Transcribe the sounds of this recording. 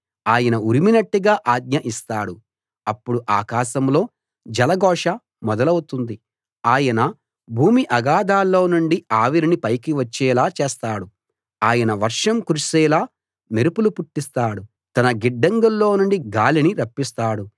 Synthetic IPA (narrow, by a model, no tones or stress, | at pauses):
aːjɐnɐuɾiminɐʈːiɡaːʔaːɡ̚ɲɐʔist̪aːɽu | ɐpːuɽuʔaːkaːʃɐmlo̞ː | d͡ʒɐlɐɡɔːʂɐ | mɔd̪ɐlɐwut̪und̪i | aːjɐnɐ | bʱuːmiʔɐɡaːd̪aːlːo̞ːnuɳɖiaːʋiɾinipɐjkiʋɐt͡ʃːɛːlaːt͡ʃeːst̪aːɽu | aːjɐnɐʋɐɾʂɐmkuɾiʃɛːlaː | neɾupulupuʈːist̪aːɽu | t̪ɐnɐɡiɖːɐŋɡulːo̞ːnuɳɖiɡaːliniɾɐpːist̪aːɽu